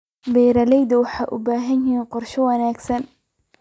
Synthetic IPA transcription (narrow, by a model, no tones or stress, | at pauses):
bɛːjɾɐlɛjd̪ɐwɑħɑjʔʊbaːɦɐnjɪɦiːnqɔrʃɔwɐnaːɡsɐn